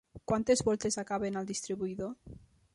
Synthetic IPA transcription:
kwant̪ezβolt̪ezakaβenald̪ist̪ɾiβuiðo

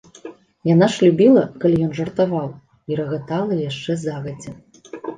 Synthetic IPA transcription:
janaʂlʲubʲilˠɐkalʲijɔnʐɐrt̪avaw | iɾɐɣat̪alˠɐjaʂt͡ʂɛzaɣɐd͡zʲɛ

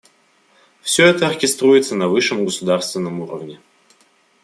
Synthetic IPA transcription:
fsʲɵɛt̪əɐrkʲɪst̪ɾuɪt̪sənɐvɨʂːəmɡəsʊd̪arst̪vʲɪnːəmuɾə̰vnʲɪ

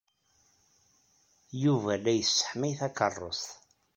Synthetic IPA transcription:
juvælæjəsːə̥ħmiθækərˤːo̰s

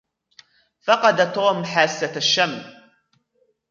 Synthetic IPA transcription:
fɑqɑd̪at̪oːmħaːsːaʃːam

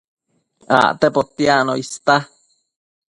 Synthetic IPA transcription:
a̰ʔt̪epot̪ianoist̪a

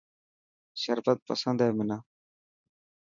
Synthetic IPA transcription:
ʃəɾfət̪̚pə̰sənd̪ɛːmɪnaː

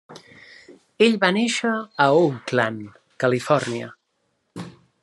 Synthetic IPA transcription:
eʎβaneʃəːuklan | kəlifɔɾniə̰

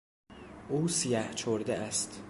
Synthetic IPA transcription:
ʔuːsijæht͡ʃʰoɾd̪eʔæst̪

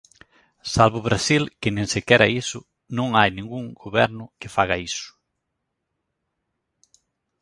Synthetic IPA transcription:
salβʊβɾasilkɪnẽŋsɪkɛɾɐisʊ | nõŋajnĩŋɡuŋɡoβɛɾnʊkɪfaɣɐisʊ̥

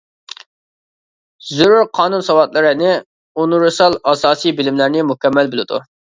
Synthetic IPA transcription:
zuɾuɾqʰɑːnunsɑwɑt̪lˠɨɾɪnɪ | unuɾɨsɑlˠɑsɑːsijbɪlɪmlæɾnɪmukʲɛmːælbɪlˠɪd̪ṵ

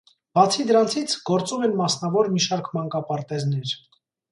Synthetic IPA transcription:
b̥ɑt͡sʰid̪əɾɑnt͡sʰit͡sʰɡ̥ɔɾt͡sumɛnmɑsn̪ɑvɔɾmiʃɑɾkʰmɑŋkɑpɑɾt̪ɛzn̪ɛɾ

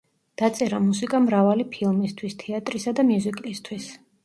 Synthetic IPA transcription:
d̪̥at̪sʼɛɾamusikʼamɾavalipʰilˠmist̪ʰwist̪ʰɛat̪ʼɾisad̪amjuzikʼist̪ʰwis

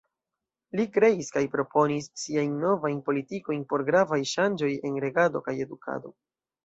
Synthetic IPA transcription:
likɾe̞iskajpɾo̞po̞nisːiajnːo̞vajnpo̞litiko̞jnpo̞ɾɡɾavajʃand͡ʒo̞je̞nɾe̞ɡado̞kaje̞dukʰa̰do̞̰

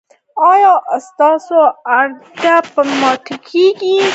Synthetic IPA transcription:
ɑːjɑʔst̪ɑːsoaɾd̪apəmɑːt̪ɐkʰeɡi

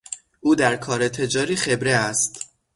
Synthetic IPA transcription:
ʔuːd̪æɾkʰɒːɾe̞t̪ʰe̞d͡ʒɒːɾiːxe̞bɾeæst̪

